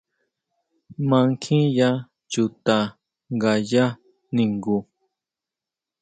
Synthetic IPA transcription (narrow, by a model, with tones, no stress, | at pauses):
mã˧˦ŋkʰĩ˦ja˦ | t͡ʃu˨t̪a˨ | ŋɡa˨ja˦ | nĩ˨ŋɡu˨